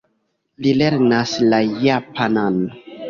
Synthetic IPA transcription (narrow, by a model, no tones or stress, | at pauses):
lileɾnaslajapanan